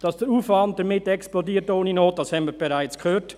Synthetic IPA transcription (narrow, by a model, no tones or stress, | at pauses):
d̥ɑsd̥əɾuːfvɑnt̚d̥əmɪtɛksplodiːɾtoːnənoːt̚d̥ɑshɛnmiːb̥eɾaɪt͡skhøːt